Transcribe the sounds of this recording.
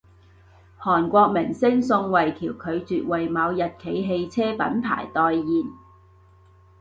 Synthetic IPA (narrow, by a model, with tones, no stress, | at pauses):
hɔː˨˩nkʷɔː˧k̚mɪ˨˩ŋsɪ˥ŋsʊ˧ŋwɐ˨jt̪ʰiː˨˩wkʰɵ˨˧ɥt͡syː˨t̚wɐ˨jmɐː˨˧wjɐ˨t̚kʰe˨˧jɦe˧jt͡sʰɛː˥pɐ̰˨˥npʰa̰ː˨˩jt̪ɔː˨jːiː˨n